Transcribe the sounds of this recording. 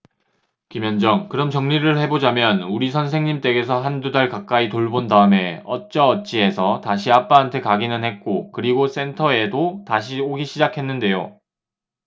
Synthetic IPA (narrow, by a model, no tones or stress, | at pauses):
kimjʌnd͡ʑʌŋkɯɾʌmt͡ɕʌŋɲiɾɯɭhe̞bod͡ʑamjʌnuɾisʰʌns̬ʰe̞ŋɲimt͈e̞ɡe̞sʰʌɦandudaɭkak̚k͈aitoɭbondaɯme̞ʌ̰t̚t͡ɕ͈ʌːt̚t͡ɕ͈ie̞sʰʌtaɕ̬ʰiap͈aantʰekaɡinɯnɦhe̞t̚k͈okɯɾiɡos͈e̞ntʰʌe̞dotaɕ̬ʰioɡiɕʰid͡ʑakʰe̞nːɯnde̞jo̰